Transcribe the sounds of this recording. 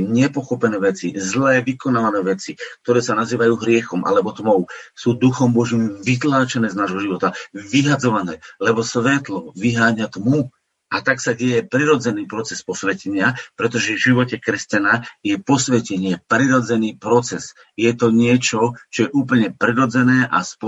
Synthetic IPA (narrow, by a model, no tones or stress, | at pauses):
ɲɛpɔxɔpɛnɛːʋɛt͡sizlɛːʋikɔnaːʋanɛːʋɛt͡sik̚t̪ɔɾɛːsanaziːʋajuːɦɾɪɛxɔmʔa̰lɛbɔt̪mɔʊsuːd̪uxɔmbɔʒimʋit̪laːt͡ʃɛnɛːznaːʒɦɔʒiʋɔt̪aʋiɦad͡zɔʋanɛːlɛbɔsʋɛt̪lɔʋiɦaːɲat̪mu | ʔat̪aksaɟɛjɛpɾiɾɔd͡zɛniːpɾɔt͡sɛspɔsʋɛcɛɲɪapɾɛt̪ɔʒɛvʒiʋɔcɛkɾɛscanajɛpɔsʋɛcɛɲɪɛpɾiɾɔd͡zɛniːpɾɔt͡sɛs | jɛt̪ɔɲɪɛt͡ʃɔt͡ʃɔjɛʔuːp̬l̩ɲɛpɾiɾɔd͡zɛnɛːʔa̰sp